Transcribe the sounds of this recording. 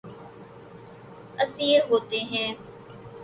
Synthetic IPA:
əsiːɾɦoːt̪eːɦɛ̃ː

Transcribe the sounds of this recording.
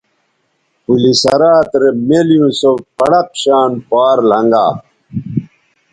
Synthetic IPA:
pulisɐɾaːt̪ɾemelijũsowpɐɽɐq̚ɕaːnpaːɾlɐŋɡa̰ː

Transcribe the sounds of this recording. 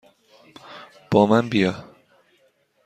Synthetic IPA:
b̥ɒːmænbijɒ

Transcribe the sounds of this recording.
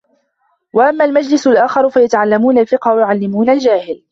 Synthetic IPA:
waʔamːaːlmad͡ʒlɪsʊlʔaːxɑɾˤʊfajat̪aʕalːamuːnalfɪqhawjʊʕalːɪmuːnald͡ʒaːhɪl

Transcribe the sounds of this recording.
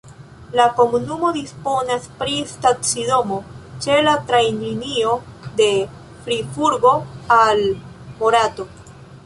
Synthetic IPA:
lako̞munumo̞dispo̞naspɾistatsido̞mo̞t͡ʃe̞latɾajninio̞de̞ | fɾifuɾɡo̞al | moɾato̞

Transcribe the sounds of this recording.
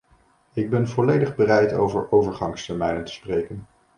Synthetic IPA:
ɪɡ̚bɛnvɔlejdəχbərɛjto̰wvə̰ɹʔowvəɹχɑŋstɛɹmɛjnəntə̥sprejkən

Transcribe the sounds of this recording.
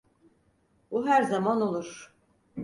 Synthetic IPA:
buɦæɾzamano̞lˠuɾ̥

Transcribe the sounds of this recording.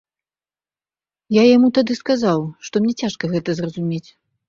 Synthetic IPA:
jajamut̪ad̪ɨskazawʂt̪ɔmnʲɛt͡sʲaʂkɐɣɛt̪ɐzrɐzumʲet͡sʲ

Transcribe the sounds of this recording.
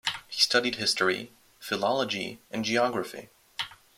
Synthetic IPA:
hi̥stʌɾid̚hɪstɹḭ | fɨlɑlˠəd͡ʒḭʔɨ̃nd͡ʒiɑɡɹɨfḭ

